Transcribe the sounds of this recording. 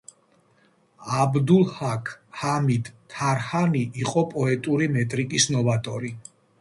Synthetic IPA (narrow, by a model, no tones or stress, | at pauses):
abd̪ulˠhakʰhamid̪̥ʰaɾhaniʔːqʼɔpʼɔɛt̪ʼuɾimɛt̪ʼɾikʼisnɔvat̪ʼɔɾi